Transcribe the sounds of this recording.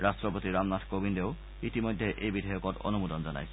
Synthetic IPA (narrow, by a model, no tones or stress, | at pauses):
ɾaʃʈɾopot̪iɾamnatʰkobindeo | it̪imojd̪ʱːeʔejbid̪ʱajokoɾɔ̰numud̪ond͡ʑana̰jt͡ɕʰ